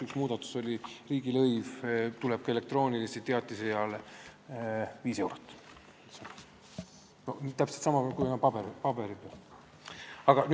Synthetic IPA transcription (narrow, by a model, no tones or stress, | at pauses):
yksmuːd̪ɑt̪ːu̥so̞lʲiriːɡ̥ilɤjvt̪ulɛb̥̚ke̞le̞k̚t̪ro̞ːnʲilist̪it̪eɑt̪ːˑisejɑle | viːse̞wɾot̪ː | et̪sɑmɑ | nonit̪æpse̥t̪sɑmɑpælkujenɑpɑbeɾipɑbe̞ɾipe | ɑɡ̥ɑn